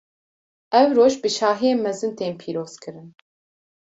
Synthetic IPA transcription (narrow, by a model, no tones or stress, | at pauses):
ɛwɾoːʒbɨʃɑːɦijeːnmɛzɨnt̪eːnpʰiːɾoːz̥kʰɨɾɨn